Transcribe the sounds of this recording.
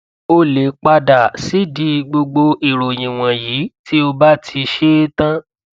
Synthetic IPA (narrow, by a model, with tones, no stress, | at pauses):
o˦le˨k͡pa˧da˨si˨˦di˧ɡ͡bo˧ɡ͡bo˧ʔi˨ɾo˨j̃ĩ˨w̃ɔ̃˨jiː˨˦ti˦o˧ba˦tʰi˧ʃe˦tã˦